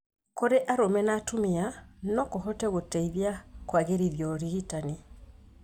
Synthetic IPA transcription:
koɾeʔaɾomɛnatumianɔkohɔtɛɣotɛiðjakwaɣeɾiðjɔɾiɣitani

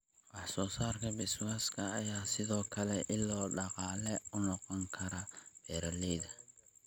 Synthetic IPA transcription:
wɑħsɔːsaːrkʰɐbɛswaːskʰɐːjaːsɪðɔːkʰɐlɛʔɪlːɔːɖɑqɑːlɛʊnɔqɔŋkʰɐɾɐb̥ɛːɾɐlɛðɐ

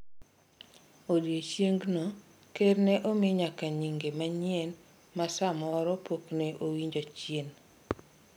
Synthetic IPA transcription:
odjet͡ʃjeŋɡno | kerneʔomɪɲakaɲiŋɡemaɲjɛn | masamɔɾɔpokneʔowiɲd͡ʒot͡ʃjen

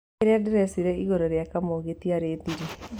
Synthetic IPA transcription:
eɾeadɪɾɛsiɾɛiɣoɾɔɾjakamoɣetiaɾeːðiɾi

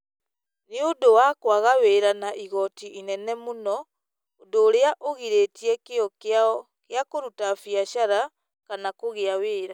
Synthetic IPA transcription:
neodowakwaɣaweɾanaʔiɣɔtiʔinɛnɛmonɔ | odoːɾeaʔoɣiɾetiɛkeɔka | keakoɾutafjaʃaɾa | kanakoɣeaweːɾa

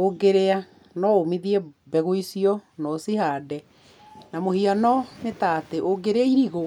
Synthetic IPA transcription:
oɡeɾea | nɔomiðiɛbɛɣoisiɔnɔsihaːdɛ | namohianɔnetateʔoɡeɾeaiɾiɣo

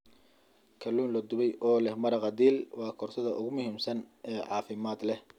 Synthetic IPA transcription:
kʰɐlːuːnlɐd̪ʊβɛjʔɔːlɛhmɐɾɐqɑd̪iːlwɑːkʰɔrsɐðɐʔʊɣʊmʊhiːmsɐnɛːʕɑːfɪmaːd̪lɛh

